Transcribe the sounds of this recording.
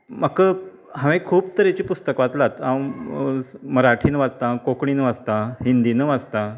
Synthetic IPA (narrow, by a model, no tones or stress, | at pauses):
makə | ɦãʋẽkʰuːb̚t̪əɾet͡ɕiːpust̪əkʋat̪lat̪ã | məɾaʈʰiːnəʋad͡zt̪ãkokɳ̃iːnəʋad͡zt̪aɦind̪iːnəʋad͡zt̪a